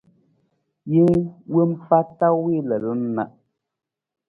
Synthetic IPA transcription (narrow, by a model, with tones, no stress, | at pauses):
ji˦ŋwə˦m̩˦fa˦ta˦wi˦lə˨lə˨˦n̩˦na̰˨ʔ